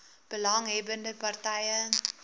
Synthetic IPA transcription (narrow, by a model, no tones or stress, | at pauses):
b̥əlɐŋɦɛbəndəpɐrtɛjə